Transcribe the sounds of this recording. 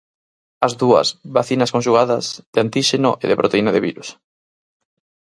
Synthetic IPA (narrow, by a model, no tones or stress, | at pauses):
ɐzðuɐ̰sβaθinɐskõnʃ̬uɣaðɐzðeant̪iʃeno̰ʔeðepɾʔot̪einaðeβiɾus